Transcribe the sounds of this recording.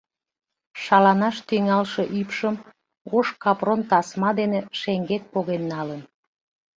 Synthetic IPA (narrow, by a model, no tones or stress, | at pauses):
ʃɑlɑnɑʃt̪yŋɑlʃeʔypʃəm | ɣoʃkɑpront̪ɑsmɑd̪eneʃeŋɡet̪̚poɣenːɑlən